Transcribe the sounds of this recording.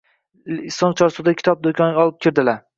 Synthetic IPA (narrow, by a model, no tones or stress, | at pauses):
ɪsɒnt͡ʃʰɒɾsud̪akʲʰɪ̥t̪ʰɒp̚d̪okʲʰɒnɡʲɒlˠɪp̚kʲʰɪɾd̪ɪla